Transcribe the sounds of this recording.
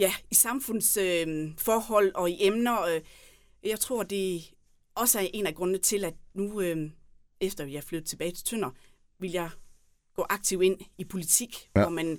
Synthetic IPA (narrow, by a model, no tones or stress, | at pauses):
jæisɑ̈mfɔ̽n̰søfɒːhɒ̽l̰ɒ̽iʔemnɐø | jɑ̈ɪt͡sʰʁo̝ɐ̰d̥e̝ | ɒ̽səæɐʔe̝næɡ̥ʁɔ̽nət͡sʰe̝læd̥nuø | efd̥ɐjɑ̈ɪfløðð̩ˠt͡sʰe̝b̥ɛːɪt͡sʰe̝̥t͡sʰøn̰ɐ | ʋiljɑ̈ɪ | ɡ̥ɔ̰ːʔɑ̈ɡ̥̚t͡sʰiʊ̰e̝n̰ipʰo̝lit͡sʰiɡ̥ɒmæn